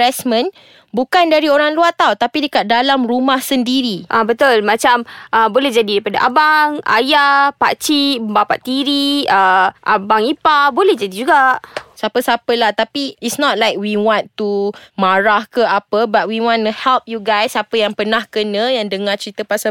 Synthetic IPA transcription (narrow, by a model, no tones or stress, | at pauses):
ɛsmə̃n | bukandaɾioɾaŋluat̪awt̪apidəkat̪̚dalamɾumahsəndiɾiʔabət̪ʊlmat͡ʃamʔəbolɛhd͡ʒadidaɾipadaʔabaŋa̰japa̰t͡ʃiməmbapaʔt̪ːiɾiəʔabaŋipabolɛhd͡ʒadid͡ʒuɡaʔsapəsapəlaht̪apiitsnɔt̚lajk̚wiwɔ̃nt̪umaɾahkəapəbat̚wiwɔ̃nəhɛlp̚juɡajsapəjaŋpənahkənə̃jaŋdəŋat͡ʃɾit̪əpasa